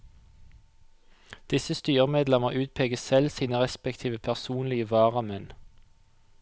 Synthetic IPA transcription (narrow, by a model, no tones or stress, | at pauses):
d̪̥ɪsəst̪yːʁəmeːd̪lɛməʁʔʉːt̪̚pʰeːɡəsɛlsiːnəʁɛspɛkt̪ʰiːʋəpʰæʁsuːnlɪəʋɑːʁɑmɛn